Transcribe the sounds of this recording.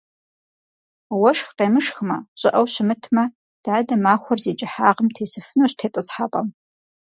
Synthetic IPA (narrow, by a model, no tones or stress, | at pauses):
wɐʂxqeːmɨʂxmɐ̰ɕʼɪʔɐwɕɪmɨtʰmɐ | d̥aːdɐmaːxʷɔrzeːd͡ʒʼɪħaːʁəmtʰeːsɨfɨnuɕtʰeːtʼɨsħaːpʼɐ̰m